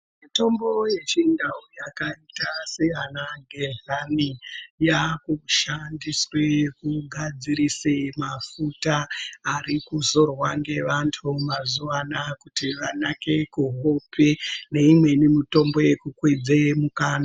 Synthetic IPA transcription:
mmito̞mbo̞je̞t͡ʃindaujakaitaseanaɡʱeɮanijakuʃandiswekuɡʱad͡zirisemafutaːrikuzo̞rwaŋɡe̞ʋantʰumazuʋanakutiʋanake̞kuɦopʰene̞imwe̞nimito̞mbo̞je̞kukwid͡zemukaːna

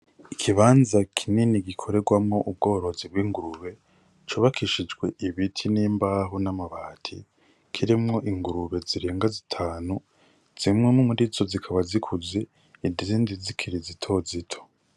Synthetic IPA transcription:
ikʰiβaːnzakʰininiɡikʰo̞ɾe̞ɡwamŋo̞ʔub̚ɡo̞ːɾo̞zib̚wiːŋɡuɾuβe̞ | t͡ʃuːβakʰiʃid͡ʒɡwe̞ʔiβitʰiniːmbaɦunamaβaːtʰḭ | kʰiɾimŋo̞ʔiŋɡuɾuβe̞ziɾeːŋɡazitʰaːnu | z̥imŋemumuɾizo̞zikʰaβazikʰuze | idiziːndizikʰiɾizitʰo̞zitʰo̥

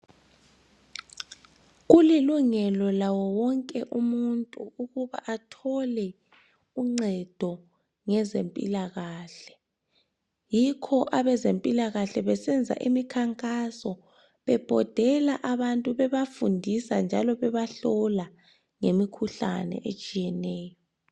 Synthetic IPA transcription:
ɣuliluŋɛlɔlawɔwɔŋkʼɛʔumuntʼuuɣuβa̰ʔatʰɔlɛ | uŋ͡ǀɛd̥ʱɔ | ŋɛzempʼḭlaɣaːɬɛ̥ | jikʰɔʔaβɛzempʼilaɣaɬɛβɛsɛnd͡zʱa̰ʔimikʰaŋkʼasɔ | βɛb̥ʱɔd̥ʱɛlaʔaβantʼuβɛβafundʱisand͡ʒʱalɔβɛβaɬɔla | ŋemikʰuɬa̰nɛ̰ʔet͡ʃʼijɛnɛːjɔ

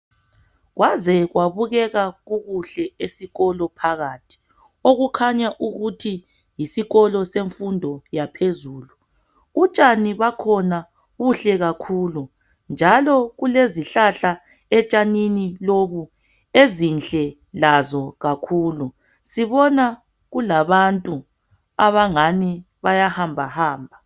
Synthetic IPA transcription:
ɣwazɛɣwaβuɣɛɣaɣuɣuɬɛesiɣɔlɔpʰaɣatʰi̥ | oɣukʰaɲaʔuɣutʰi | jisiɣɔlɔseɱfundʱɔjapʰezuːlu | ut͡ʃʼaniβakʰɔna | ɣuɬɛɣakʰuːlu | nd͡ʒʱalɔɣuleziɬaɬa | ɛt͡ʃʼaniniloβu | ezinɬʼɛ | lazɔɣakʰuːlu | siβɔna | ɣulaβantʼu | aβaŋani | βajahambʱahaːmbʱa

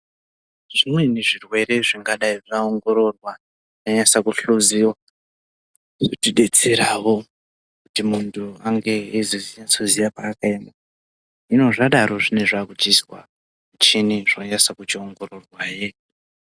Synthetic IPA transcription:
ʐ̥imwe̞neʐirwe̞ɾe̞ʐiŋɡaɗaiʐaoŋɡo̞ɾo̞rwa | aɲasakuɬuziwa | ʐotiɗe̞t͡seɾawo̞ | kutimuntʰuaŋɡe̞iziziasozijapaːkaima | ino̞ʐaɗaɾo̞ʐine̞ʐakud͡ʒiswa̰ | ut͡ʃiniʐoɲasakut͡ʃioŋɡororwaje

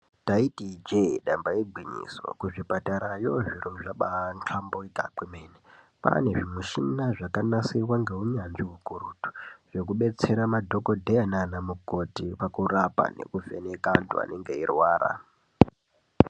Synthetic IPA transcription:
taitid͡ʒeɗambaeɡ͡bʱiɲḭso̰kuʐipataɾajo̞ʐiruʐaɓant͡ɬʰamboika̰k͡pwemeːne | pa̰ne̞ʐimuʃinaʐakanasiwaŋɡe̞ɦuɲanʐiɦukuɾuːtu̥ʐ̥e̞kuɓe̞t͡se̞ɾamadʱo̞kodʱejananamuko̞tipakurapa̰ne̞̰kufenekantṵa̰neŋɡe̞irwaːɾa̰

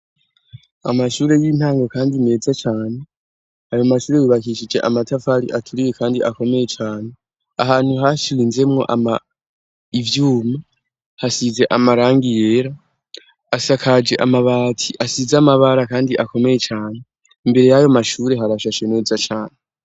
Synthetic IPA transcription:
a̰maʃuːɾe̞jiːn̥haːŋɡo̞kaːndine̞ːzat͡ʃaːne̞ | ajo̞maʃuːɾe̞jiβakiʃid͡ʒe̞ʔamatʰavaɾḭʔatʰuɾiwekʰaːndiʔako̞me̞je̞t͡ʃaːne̞ | a̰ɦaːn̥huɦaʃiwinze̞mŋo̞̰ʔa̰ma | ivjuːma | hasize̞ʔamaɾaːŋɡije̞ːɾaː | sakʰad͡ʒe̞ʔamaβaːtʰiʔasizamaβaɾakaːndiʔako̞me̞je̞t͡ʃaːne | imbe̞ɾe̞jajo̞maʃuːɾe̞ɦaɾaʃaʃene̞ːzat͡ʃaːne

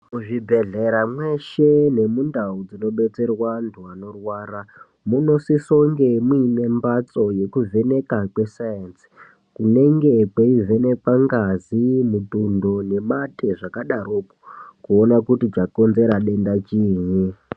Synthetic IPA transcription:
muʐibʱe̞ɮe̞ɾamwe̞ʃe̞ne̞mundaud͡zino̞ɓe̞t͡se̞rwandʰʱuano̞rwaːɾa | muno̞sisoŋɡe̞muine̞mbat͡so̞je̞kuve̞ne̞kakwe̞sajansi̥ | kune̞ŋɡe̞kweive̞ne̞kaŋɡazimutundone̞matʰeʐakaɗaɾoku̥kuonakutit͡ʃako̞nzeɾaɗe̞ndat͡ʃiːɲi

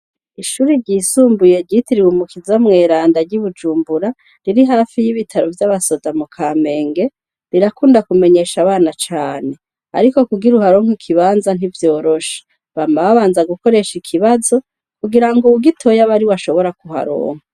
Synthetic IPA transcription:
iʃuːɾiɾɟiːsuːmbuje̞ɟitiɾiwumukizamŋe̞ːɾaːndaɟiβud͡ʒuːmbuɾa | ɾiɾiɦaːfijiβitʰaɾovjaβaso̞zamukʰaːme̞ːŋɡe̞ | ɾiɾakuːndakume̞ɲe̞ʃaβaːnat͡ʃaːne̞ | a̰ɾiko̞kuɡiɾuhaɾoŋ̥ikʰiβaːnzan̥ivjo̞ːɾo̞ʃe̥ | βamaβaβaːnzaɡuko̞ɾe̞ʃikʰiβazo̞ | kuɡiɾaŋɡouɡitʰo̞jaβaɾiwaʃo̞βo̞ɾakuha̰ɾo̰ːŋ̥a

